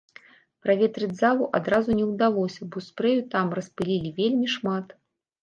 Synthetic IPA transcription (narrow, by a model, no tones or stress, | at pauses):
pɾavʲet̪ɾɨd͡zʲzalˠuʔad̪ɾazunʲɛwd̪alˠɔsʲɐbɔspɾɛjut̪amrɐspɨlʲilʲivʲelʲmʲiʂmat̪